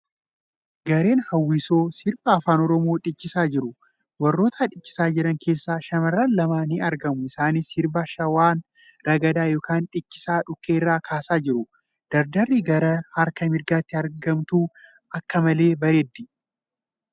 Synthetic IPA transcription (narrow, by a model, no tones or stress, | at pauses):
ɡɐɾe̞ːnhɐwːiːso̞ːsɪɾbɐːfaːnɔɾɔmo̞ːᶑɪt͡ʃːɪsaːd͡ʒɪɾʊ | wɐrːoːt̪ʰaːᶑɪt͡ʃːɪ̥saːd͡ʒɪɾɐŋke̞ːsːaːʃɐmɐrːanlɐmaːnɪɐɾɡɐmʊɪsaːnisɪɾbaʃɐwaːn | ɾɐɡɐd̪aːjo̞ːkaːnᶑɪt͡ʃːɪ̥saːᶑʊkːe̞ːɪrːaːkʰaːsaːd͡ʒɪɾʊ | d̪̥ɐɾd̪ɐrːiːɡɐɾɐhɐɾkɐmɪɾɡaːt̪ːɪɐɾɡɐmt̪uː | ɐkːɐmɐle̞ːbɐɾed̪ːɪ